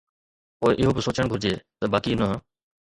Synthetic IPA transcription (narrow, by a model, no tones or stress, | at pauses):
poːeʔɪɦoːbɪsoːt͡ʃəɳ̃ɡʱʊɾd͡ʑeːt̪əbaːkiːnəɦ